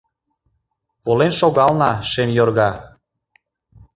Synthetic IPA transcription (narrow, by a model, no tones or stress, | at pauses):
polenʃoɣɑlnɑʃemjorɣɑ